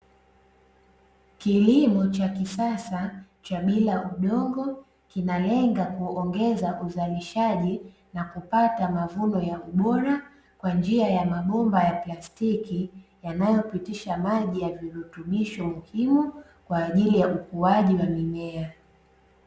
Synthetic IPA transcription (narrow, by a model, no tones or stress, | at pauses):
kilimɔt͡ʃakisasa | t͡ʃaɓilaʔuɗɔŋɡɔ | kinalɛŋɡakuɔŋɡɛzaʔuzaliʃaʄi | nakupatamavunɔjauɓɔɾa | kwand͡ʒiajamaɓɔmbajaplastikijanajɔpitiʃamaʄijaviɾutumiʃɔmuhimu | kwaːʄilijaʔukuaʄiwamimɛa